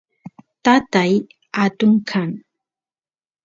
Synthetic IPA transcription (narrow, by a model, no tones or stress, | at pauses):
t̪at̪aj | at̪ʊŋkʰaŋ